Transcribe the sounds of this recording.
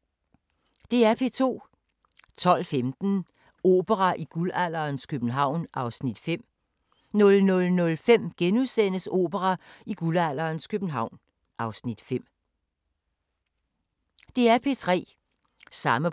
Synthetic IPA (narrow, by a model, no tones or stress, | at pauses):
d̥e̝æɐpʰe̝t͡sʰo̝̰ː | t͡sʰɒ̽l̰femd̥n̩ | o̝̰ːb̥əʁɑʔiɡ̥ulæl̰ɐːnskʰøb̥n̩ɦɑ̈ʊ̰nʔɑ̈ʊsnid̥fem̰ | nɔ̽lnɔ̽lnɔ̽lfem̰ɡ̥enuðˠsen̰əso̝̰ːb̥əʁɑiɡ̥ulæl̰ɐːnskʰøb̥n̩ɦɑ̈ʊ̰n | ɑ̈ʊsnid̥fem̰ | d̥e̝æɐpʰe̝t͡sʰʁɛ̰ː | sɑ̈mə